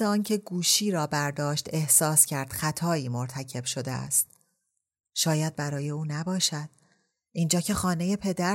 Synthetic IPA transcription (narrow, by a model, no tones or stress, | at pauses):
eɒːncʰe̞ɡuːʃiːɾɒːbæɾd̪ɒːʃt̪e̞hsɒːscʰæɾd̪̥xæt̪ʰɒːiːmoɾt̪ʰæcʰe̞b̥ʃo̞d̪ḛæ̰st̪̚ | ʃɒːjæd̪̚bæɾɒːjeuːnæbɒːʃæd̪̥̚ | ʔind͡ʒɒːcʰe̞xɒːne̞je̞pʰe̞d̪æ